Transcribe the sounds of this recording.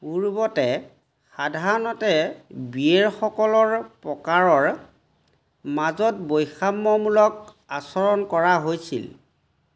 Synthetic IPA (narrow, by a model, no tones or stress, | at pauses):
uɹbɔtɛ | xadʱaɹɔnɔtɛbieɹxɔkɔlɔɹpɹɔkaɹɔɹ | mazɔt̚bojxamːɔmulɔk̚ | asɔɹɔnkɔɹaɦojsḭl